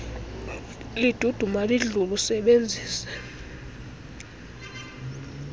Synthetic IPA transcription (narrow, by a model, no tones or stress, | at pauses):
lid̥ʱud̥ʱumaliɮulusɛɓend͡zʱiːsɛ̥